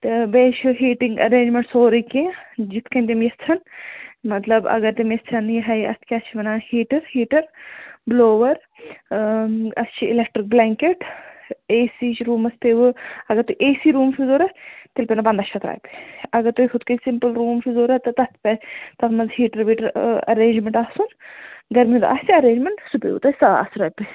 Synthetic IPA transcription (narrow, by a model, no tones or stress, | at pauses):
t̪ɐbeːʃɦiːʈiŋɡɐ̰ɾẽːd͡ʒmeɳʈsoːɾɐkẽd͡ʒit̪ʰkɐnt̪̬imjɐst͡sʰɐnmɐt̪lɐbɐ̰ɡɐɾt̪imjɐst͡sʰɐnjiɦɐjɐst̪ʰkʲaːst͡ʃʰiʋɐnaːhiːʈɐɾhiːʈɐɾbloːʋɐɾ | ɐst͡ʃʰiɪlek̚ʈɾik̚blɛːŋkeʈ | eːsiːt͡ʃɾuːmɐst̪eʋɨɐɡɐɾt̪uiʔeːsiɾuːmfʰʲizoːɾɐt̪ilpʲenɐpɐnd̪ɐʃʰɐt̪ɾa̰ːjpi̥ɐɡɐɾt̪ujkʰud̪kɐsimpɨlɾuːmfʰizoːɾɐt̪ɐt̪ɐt̪pʲɐt̪ɐt̪mɐnzɦiːʈɐɾbiʈɐɾɐ̰ɾeːɲd͡ʒmeɳʈaːsunɡɐɾmiud̪ʔa̰st͡ʃʰiɐɾẽːɲd͡ʒmeɳʈsupḛṵt̪ɐsaa̰sɾɐːjpɐ